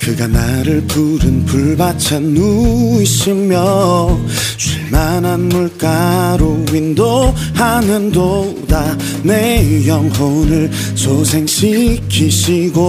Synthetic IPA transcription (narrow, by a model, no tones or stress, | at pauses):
kɯɡanaɾɯɭpʰuɾɯnpuɭbat͡ɕʰanːuiɕimjʌ | ɕʰwemananmuɭk͈aɾowindo | hanɯndo | da | neijʌŋɦonɯɭ | sʰosʰeŋɕʰikʰiɕʰiɡo